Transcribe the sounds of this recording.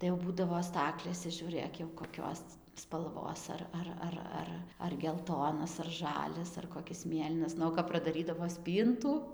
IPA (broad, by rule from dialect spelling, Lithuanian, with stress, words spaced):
tɐɪ jɛʊ ˈbuːdɐʋoː ˈstɑːklʲeːsʲɛ ʒʲuːˈrɘk jɛʊ koːˈkʲoːs spɐlˠˈʋoːs ɐr ˈɐr ˈɐr ˈɐr ɐr ɡʲɛlˠˈtoːnɐs ɐr ˈʒɑːlʲɛs ɐr koːˈkʲɪs ˈmʲeːlʲiːnɐs ˈnʊ oː kɐp prɐdɐˈrʲiːdɐʋoː ˈsʲpʲiːntuː